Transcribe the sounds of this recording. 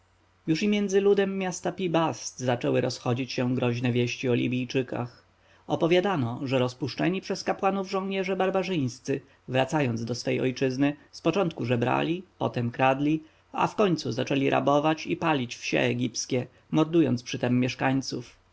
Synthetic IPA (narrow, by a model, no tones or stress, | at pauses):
juʂimʲjɛnd̪zɘlud̪ɛmːjast̪apʲibast̪zat͡ʂɛwɘɾɔsxɔd͡ʑit͡ɕɕɛɡɾɔʑnɛvʲjɛɕt͡ɕiɔlʲḭbʲijt͡ʂɘka̰x | ɔpɔvʲjad̪anɔʐɛɾɔspuʂt͡ʂɛɲipʂɛskapwanuvʐɔ̃w̃ɲɛʐɛbaɾbaʐɘj̃st̪sɘ | vɾat̪sajɔnzd̪ɔsfɛjɔ̰jt͡ʂɘznɘspɔt͡ʂɔnt̪kuʐɛbɾa̰lʲipɔ̰t̪ɛmkɾad̪lʲi | a̰fkɔɲt̪suzat͡ʂɛlʲiɾʔa̰bɔvat͡ɕipalʲit͡ɕfɕɛ̰ɛɡʲipskʲɛ | mɔɾd̪ujɔ̰nt̪spʂɘt̪ɛmːʲjɛʂkaɲt̪suf